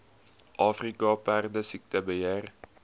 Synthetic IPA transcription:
ʔɑːfrikɑpærdəsik̚təbəjer

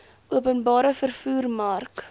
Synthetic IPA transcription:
uəpənbɑːɾəfərfuːrmɐrk

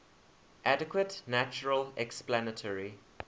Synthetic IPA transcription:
ʔadɪkʰwətnæt͡ʃəɹəlɛksplanətʰɔɹi

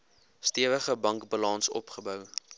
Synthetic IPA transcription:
stiəvəχəbɐŋkbɑlɑnsɔ̰pχəbœw

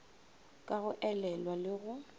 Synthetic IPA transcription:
kʼaɣʊʔɛlɛlwalɪɣʊ

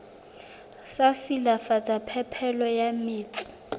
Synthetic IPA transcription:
sasilafat͡sʼapʰɛpʰɛlɔjamiːt͡sʰʼi̥

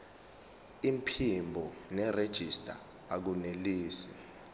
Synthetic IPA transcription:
im̩pʰimbʱɔnɛred̥ʒ̥ʱistʼa̰ | ak̬uneliːsi̥

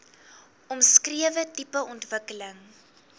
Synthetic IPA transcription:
ɔmskriəvətipəɔntvəkələŋ

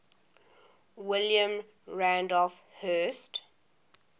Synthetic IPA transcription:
wɪljə̃m | ɹãndɔlfhɜst

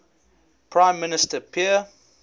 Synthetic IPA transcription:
pʰɹãɪ̃mːɪnɪstəpʰiə

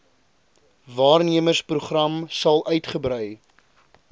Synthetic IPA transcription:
vɑːrniəmərspruχrɐmsɐlˠœɥtχəbɾœj

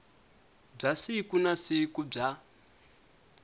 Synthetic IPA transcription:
b͡ʐasikunasikub͡ʐa

